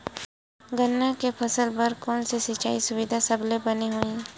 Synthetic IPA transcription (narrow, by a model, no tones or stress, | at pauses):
ɡənːakepʰɐsəlpɐɾkɔːnsisit͡ʃaːisʊʋɪd̪ʱasɐblebɐneɦoːĩ